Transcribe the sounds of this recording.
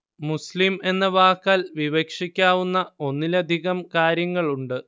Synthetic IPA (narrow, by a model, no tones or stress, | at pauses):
muslime̞nːɐʋaːkːaːlʋiʋekʂikʲːaːʋunːɐo̞nːilɐd̪ʱiɣɐmkaːɾjɐŋːɐɭuɳɖɨ